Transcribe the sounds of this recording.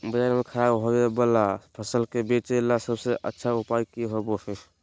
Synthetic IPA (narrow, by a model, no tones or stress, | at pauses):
bəd͡ʒanmekʰəɾabɦobbəlapʰəsəlkebet͡ʃelasəbseʔə̰tːʃʰaupajkiɦobosə